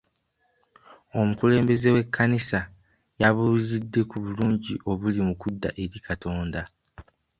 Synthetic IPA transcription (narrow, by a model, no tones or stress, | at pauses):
o̞mukule̞ːmbe̞ze̞we̞kʰːanisa | jaβulizidːe̞kuβuluːɲɟiʔo̞βulimukudːa̰ʔeɾikʰatʰo̞ːnda